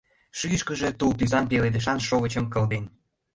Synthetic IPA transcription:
ʃyjəʃkə̆ʒe̽t̪ulp̪yzɑnpeled̪ə̆ʃ̬ɑnʃoɣə̆t͡ɕə̆mkɤ̆ld̪en

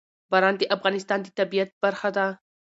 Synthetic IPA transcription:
bɑɾɑnd̪əʔafɣɑnɪst̪ɑnd̪ət̪abijat̪̚baɾxad̪a

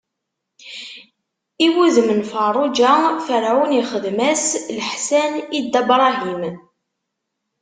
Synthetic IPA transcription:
iwuzmənfərˤʊd͡ʒafəɾʕuniχəðmæslħsænid̪æbɾˤɑɦim

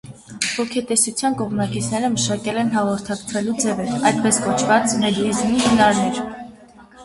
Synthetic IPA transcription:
vɔkʰɛt̪ɛsut͡sʰjɑnkɔʁmnɑkit͡sʰnɛɾəməʃɑkɛlɛnɦɑʁɔɾt̪ʰɑkt͡sʰvɛlud͡zɛvɛɾɑjd̪̚pɛskɔt͡ʃʰvɑt͡smɛd̪ɛzmihənɑɾnɛɾ

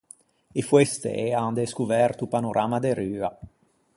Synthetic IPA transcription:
efwest̪ḛʔeand̪eskuvɛrt̪upanoɾʔamad̪eɾyːa

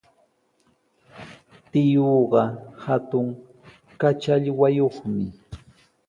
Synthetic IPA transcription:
t̪ɪjoːɢɑhat̪ʊŋ | kat͡ʃaʎwajoχmɪ

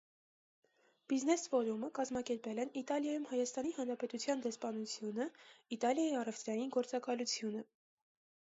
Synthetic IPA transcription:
b̥iznɛsvɔɾuməkɑzmɑkɛɾpɛlɛnit̪ɑljɑjumhɑjɑst̪ɑnihɑnɾɑpɛt̪ut͡sʰjɑnd̪ɛspɑnut͡sʰjunəit̪ɑljɑjiɑrɛft̪ɾɑjinɡɔɾt͡sɑkɑlut͡sʰjunə

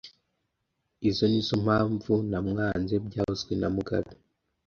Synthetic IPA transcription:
izo̞nizom̥haːɱvunamŋaːnzebɟaːhozɡwenamuɡa̰βi

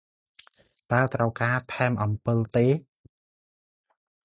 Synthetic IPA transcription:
t̪aəlt̪rəwkaːt̪ʰaɛmʔɑmpɨlt̪eː

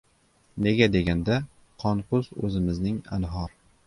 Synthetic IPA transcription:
ne̞ɡʲad̪e̞ɡʲand̪a | qʰɒnqʰʊzɵ̰zɪmɪznɪŋa̰nɦɒɾ

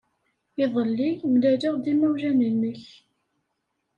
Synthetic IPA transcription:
ɪðˤəlːimlædiʁd̪imæwʒænənəç

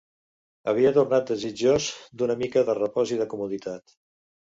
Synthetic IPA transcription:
əβ̞iət̪urnat̪̚d̪əzid͡ʒozd̪unəmikəðərəpɔziðəkumuðit̪at̪

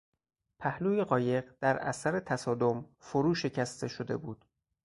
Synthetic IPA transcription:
pʰæhluːjeɢɒːje̞ɢd̪̥æɾæ̰sæɾet̪ʰæsɒːd̪o̞mfoɾuːʃe̞cʰæst̪ʰe̞ʃod̪e̞̰buːd̪̥

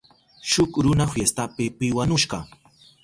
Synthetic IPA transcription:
ʃʊkɾʊnafjest̪apɪpɪwanʊʃɢɑ

